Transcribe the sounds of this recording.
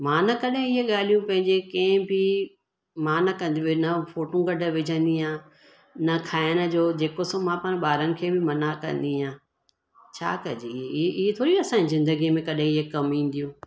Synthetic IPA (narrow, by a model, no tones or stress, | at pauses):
mãːnɐkɐɗɦẽɪɦeɠaːl̤ijũpɐ̃ɦɪ̃ɲd͡ʑekɐ̃ɦbʱɪ | mãːnɐkɐ̃nd̪ĩenɐfoːʈũɡɐɖʱə̆ʋɪd͡ʑʱə̃nd̪iãː | nɐkʰaːɪənə̆d͡ʑoːd͡ʑeːkosõmãpaɽ̃ɓaːɾənɪ̆kʰeːbʱɪmɐnakɐ̰̃nd̪iãː | t͡ɕʰa̰ːkɐd͡ʑieʔɪɦet̪ʰoːɾiɐsãːɲizɪ̃nd̪əɡimẽkɐɗɦẽɪɦekɐmĩːn̆d̪ijũː